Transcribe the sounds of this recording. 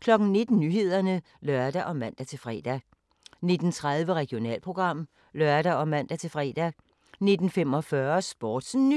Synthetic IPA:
kʰlɒ̽ɡ̥n̩ne̝d̥n̩nyɦe̝ð̞̰ˠɐnə | lœɐd̥æʔɒ̽mæn̰d̥æt͡sʰe̝lfʁɛ̰ːd̥æ | ne̝d̥n̩t͡sʰʁað̞ˠʋəʁɛɡ̥ijo̝nɛ̰ːlpʰʁo̝ɡ̥ʁɑ̈m̰ | lɶɐd̥æɒ̽mæn̰d̥æt͡sʰe̝fʁɛ̰ːd̥æ | ne̝d̥n̩femɒ̽fɶɐsb̥ɒːd̥sn

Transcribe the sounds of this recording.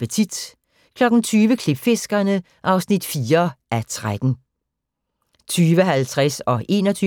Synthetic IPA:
pət͡sʰid̥ | kʰlɒ̽ɡ̥n̩t͡sʰyːʋəkʰlib̥fe̝sɡ̥ɐnə | ʔɑ̈ʊsnid̥fiːɐʔæt͡sʰʁad̥n̩ | t͡sʰyːʋəɦælt͡sʰʁasɒ̽ʔe̝̰ːnɒt͡sʰyː

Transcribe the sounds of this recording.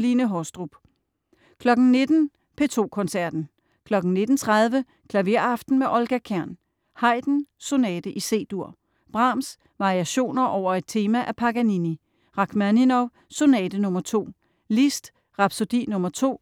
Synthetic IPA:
linəɦɒsd̥ʁub̥ | kʰlɒ̽ɡ̥n̩ne̝d̥n̩ | pʰe̝t͡sʰo̝̰ːkʰɒ̽nsæɐ̰d̥n̩ | kʰlɒ̽ɡ̥n̩ne̝d̥n̩t͡sʰʁaðˠʋə | kʰlæʋe̝ɐ̰ɑfd̥n̩meʔɒ̽lɡ̥ækʰæɐ̰n | hɑ̈ɪ̰d̥n̩sonɛːd̥əʔise̝̰ːd̥uɐ̰ | b̥ʁɑ̈ms | ʋɑ̈ʁiæɕo̝̰ːnɐʔɒʊ̰ɐe̝d̥̚t͡sʰe̝ːmæʔæpʰɑ̈ɡ̥ænini | ʁɑ̈ɡ̥mæninɒʊ | sonɛ̰ːd̥ənɔ̽mɐt͡sʰo̝̰ː | lisd̥ | ʁɑ̈b̥so̝d̥ḭnɔ̽mɐt͡sʰo̝̰ː

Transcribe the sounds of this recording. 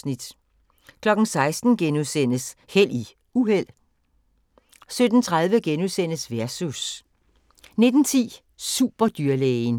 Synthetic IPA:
nid̥ | kʰlɒ̽ɡ̥n̩sɑ̈ɪsd̥n̩ɡ̥enuðˠsen̰əshel̰i | uhel̰ | sød̥n̩t͡sʰʁað̞ˠʋəɡ̥enuðˠsen̰əsʋæɐsus | ne̝d̥n̩t͡sʰḭː | sṵb̥ɐd̥yɐlen

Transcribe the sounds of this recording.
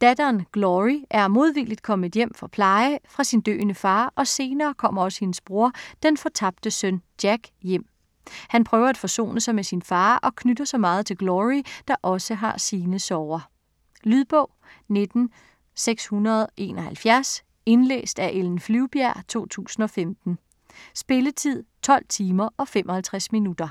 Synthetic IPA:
d̥æd̥ɐːnɡ̥lɒʁiʔæɐmo̝ð̞ˠʋilid̥kʰɒ̽m̰̩ˠjem̰fɒ̽pʰlɑ̈ɪəfʁɑ̈sind̥ø̰ːnəfɑ̈ːʔɒ̽se̝ːnɐːkʰɒ̽m̰ɐɒ̽sə̥he̝nəsb̥ʁuɐd̥enfɒ̽t͡sʰɑ̈b̥̚d̥əsœnd̥jæɡ̥jem̰ | hænpʰʁœːʊɐæd̥fɒ̽so̝̰ːnəsɑ̈ɪmesinfɑ̈ːʔɒ̽kʰnyd̥ɐsɒ̽mɑ̈ːð̞̩ˠt͡sʰe̝lɡ̥lɒʁid̥ɑ̈ʔɒ̽səɦɑ̈siːnəsɒʊɐ | lyðˠb̥ɔ̽ʊ̰ne̝d̥n̩ | seɡ̥shunɐð̞ˠʔe̝̰ːnɒ̽hælfjæɐs | e̝nlḛːsd̥æʔeln̩flyʊb̥jæɐ̰t͡sʰo̝̰ːt͡sʰṵːsn̩ɒ̽femd̥n̩ | sb̥e̝lət͡sʰið̞̰ˠt͡sʰɒ̽l̰t͡sʰiːmɐʔɒ̽femʔɒ̽hælt͡sʰʁæsminud̥ɐ

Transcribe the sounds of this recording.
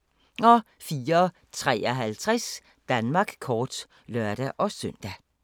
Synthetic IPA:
ɒfiːɐ | t͡sʰʁɛ̰ːɒɦælt͡sʰʁɛs | d̥ænmɑ̈ːɡ̥kʰɒːd̥ | lœɐ̰ɾ̥æʔɒ̽sœn̰d̥æ

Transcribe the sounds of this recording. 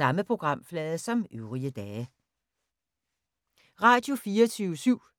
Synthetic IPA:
ɑ̈məpʰʁo̝ɡ̥ʁɑ̈m̰flɛːðˠsɒ̽mʔøʊʁiəd̥ɛː | ʁɑ̈ːd̥jo̝fiːɐt͡sʰyʊəsyʊ̰

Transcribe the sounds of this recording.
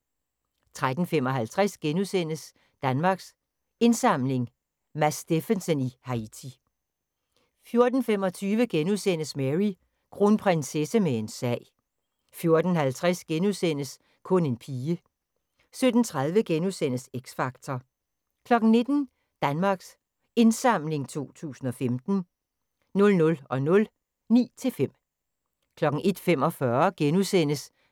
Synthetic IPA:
t͡sʰʁad̥n̩fem̰ɒ̽ɦælt͡sʰʁɛsɡ̥enusen̰əs | d̥ænmɑ̈ːɡ̥s | e̝nsɑ̈m̰le̝ŋ | mæsd̥e̝fənsənihɑ̈it͡sʰi | fjo̝ɐd̥n̩fem̰ɒ̽t͡sʰyːʋəɡ̥enusen̰əsmeʁi | ɡ̥ʁunpʰʁɛnsesəmee̝nsɛ̰ɪ̰ | fjo̝ɐd̥n̩hælt͡sʰʁɛsɡ̥enusen̰əs | kʰɔ̽ne̝npʰiːə | sød̥n̩t͡sʰʁaðˠʋəɡ̥enusen̰əseɡ̥sfɑ̈ɡ̥t͡sʰɒ | kʰlɒ̽ɡ̥n̩ne̝d̥n̩ | d̥ænmɑ̈ːɡ̥s | e̝nsɑ̈m̰le̝ŋt͡sʰo̝̰ːt͡sʰṵːsn̩ɒ̽femd̥n̩ | nɔ̽lnɔ̽lɒ̽nɔ̽l | nḭːt͡sʰe̝lfem̰ | kʰlɒ̽ɡ̥ŋ̩e̝d̥fem̰ɒ̽fɶɐɡ̥enusen̰əs

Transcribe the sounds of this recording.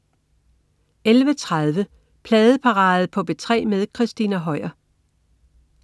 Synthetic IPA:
elʋət͡sʰʁaðˠʋə | pʰlɛːðˠəpʰɑ̈ʁɑ̈ːð̩ˠpʰɒ̽b̥e̝t͡sʰʁɛ̰ːmeðˠkʰʁɛsd̥inæɦɒɪ̰ɐ

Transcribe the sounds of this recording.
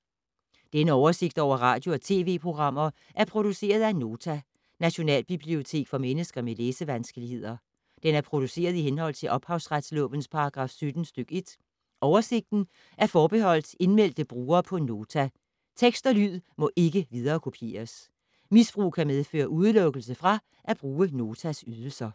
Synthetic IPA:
d̥enəɒʊɐse̝ɡ̥d̥ɒ̰ʊ̰ɐʁɑ̈ːd̥jo̝ɒ̽t͡sʰe̝̰ːʋe̝̰ːpʰʁo̝ɡ̥ʁɑ̈m̰ɐ | ʔæɐpʰʁo̝ɾ̥use̝̰ːɐð̞ˠæno̝ːt͡sʰæ | næɕo̝nɛ̰ːlb̥ib̥lio̝t͡sʰe̝̰ːɡ̥fɒ̽menəsɡ̥ɐmeleːsəʋænsɡ̥əlihe̝ð̞̰ˠɐ | d̥enæɐpʰʁo̝d̥use̝̰ːɐð̞̩ˠiɦenɦɒ̽l̰t͡sʰe̝lʔɒ̽b̥hɑ̈ʊsʁad̥slɔ̰̽ːʋənspʰɑ̈ɑɡ̥ʁɑ̈ːfsød̥n̩sd̥øɡ̥e̝d̥ | ʔɒʊɐse̝ɡ̥̚d̥n̩ | ʔæɐfɒːb̥e̝ɦɒ̽l̰d̥e̝nmel̰d̥əb̥ʁuːɐːpʰɒ̽no̝ːt͡sʰæ | t͡sʰeɡ̥sd̥ɐlyð̰ˠmɒ̽ʔe̝ɡ̥əʋiðˠɐːkʰo̝pʰe̝̰ːɐs | misb̥ʁṵːkʰæmeð̞ˠfø̰ːɐʔuð̞ˠlɔ̽ɡ̥əl̩səfʁɑ̈ | ʔæb̥ʁuːəno̝ːt͡sʰæsyð̞ˠl̩sɐ

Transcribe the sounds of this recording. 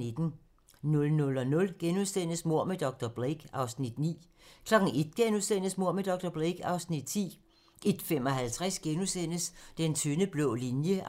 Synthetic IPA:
ed̥n̩ | nɔ̽lnɔ̽lɒ̽nɔ̽lɡ̥enusen̰əsmo̝ɐ̰med̥ɒ̽ɡ̥̚d̥ɒb̥ʁeɡ̥ɑ̈ʊsnid̥nḭː | kʰlɒ̽ɡ̥n̩e̝d̥̚ɡ̥enusen̰əsmo̝ɐ̰med̥ɒ̽ɡ̥̚d̥ɒb̥ʁeɡ̥ɑ̈ʊsnid̥̚t͡sʰḭː | ʔe̝d̥fem̰ɒ̽ɦælt͡sʰʁasɡ̥enusen̰əsd̥ent͡sʰynəb̥lɔːlinjə

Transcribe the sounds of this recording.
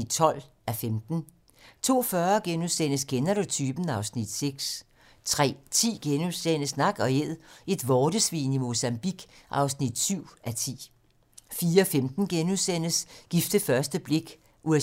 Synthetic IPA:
d̥t͡sʰɒ̽l̰ʔæfemd̥n̩ | t͡sʰo̝̰ːfɶːɐɡ̥enuðˠsen̰əsɡ̥ʰenæɾo̝t͡sʰyb̥n̩ɑ̈ʊsnid̥seɡ̥s | t͡sʰʁɛ̰ːt͡sʰḭːɡ̥enusen̰əsnɑ̈ɡ̥ɒ̽eð̰ˠʔe̝d̥ʋɒːd̥əsʋḭːnimo̝sæmb̥iɡ̥ʔɑ̈ʊsnid̥syʊ̰ʔæt͡sʰḭː | fiːɐɒfemd̥n̩ɡ̥enuðˠsen̰əsɡ̥ifd̥əfɶɐsd̥əb̥le̝ɡ̥ | ʔue

